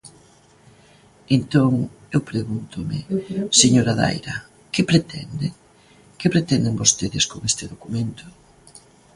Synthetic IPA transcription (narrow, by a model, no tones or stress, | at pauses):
ent̪oŋ | ewpɾeɣunt̪ʊmɪ̰seɲoɾɐða̰jɾɐ | kɪpɾet̪ʰɛ̰nd̪e | kepɾet̪ɛnd̪eŋbost̪eðɪskoŋest̪ɪðokumẽnt̪ʊ